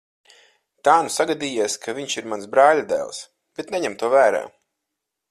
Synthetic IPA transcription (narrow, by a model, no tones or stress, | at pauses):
t̪aːnusaɡad̪iːjiːskʰaviɲʃiɾmansbɾaːlʲad̪ɛ̰ːlˠs | b̥et̪nɛɲɛmt̪uɔvæːɾa̰ː